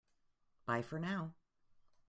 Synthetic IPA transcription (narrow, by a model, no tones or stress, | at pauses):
b̥aɪfə˞naʊ